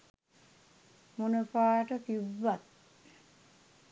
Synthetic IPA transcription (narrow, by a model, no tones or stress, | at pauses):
munəpaːʈəpiʋːat̪̚